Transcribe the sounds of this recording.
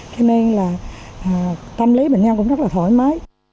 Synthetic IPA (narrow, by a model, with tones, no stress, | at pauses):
t͡ɕə˧ne˧nlaː˨˩˨ | t̪ə˧mli˨˦ɓḛ˨˧˨ŋ̟ɲə˧ŋkʊ̰˧˥ŋ͡mzə˦˥aː˨˩t̪ʰo˧˩jma˨˦j